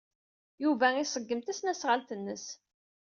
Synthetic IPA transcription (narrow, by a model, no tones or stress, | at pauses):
juvæisˤəɡːəmt̪æsnæsʁəlt̪ənːəs